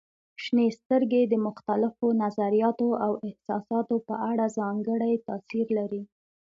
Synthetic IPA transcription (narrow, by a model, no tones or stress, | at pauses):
ʃnest̪əɾɡed̪əmʊxt̪alɪfonazaɾijɑt̪oawɪhsɑ̰sɑt̪opəʔaɽazɑŋɡəɽajt̪ɑsiɾlaɾi